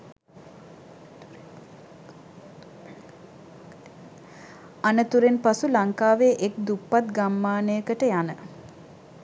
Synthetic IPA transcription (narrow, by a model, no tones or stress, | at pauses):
anət̪uɾenpasulaŋkaːʋeːʔek̚d̪upːat̪̚ɡamːaːnəjəkəʈəjanə